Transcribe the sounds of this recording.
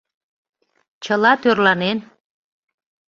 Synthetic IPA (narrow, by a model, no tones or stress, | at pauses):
t͡ɕəlɑt̪ørlɑnen